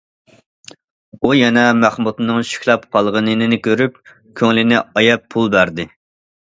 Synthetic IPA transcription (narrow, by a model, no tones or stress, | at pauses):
ujɛnɛmæχmut̪nɨŋʃi̥kʲlˠɑpqʰɑlˠʁənɨnɨnɪkʲøɾyp̚ | kʲʰøŋlɪnɪɑjɛpʰːulˠbæɾd̪ɪ